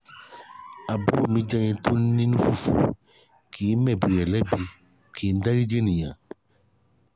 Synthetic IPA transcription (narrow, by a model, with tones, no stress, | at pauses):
a˨bu˦ɾo˦˨mĩ˧d͡ʒɛ˧jĩ˧to˦n˦nĩ˦nũ˦fu˦˨fṵ˨ | kʰi˨˦mɛ̃˦˨bi˨ɾɛ˨lɛ˦bi˧ | kʰe˨˦˧da˦ɾi˦d͡ʒe˦nĩ˨j̃ã˨